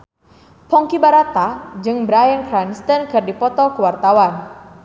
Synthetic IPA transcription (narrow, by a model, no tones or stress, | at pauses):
pɔŋkibaɾat̪ad͡ʒɨŋbəɾajənkɾanst̪ənkɨrdipɔt̪ɔkəwart̪awan